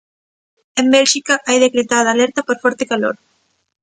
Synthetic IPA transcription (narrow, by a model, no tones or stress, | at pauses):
embɛlʃikaʔajðekɾet̪aðaːlɛɾt̪apoɾfɔɾt̪ekalo̰ɾ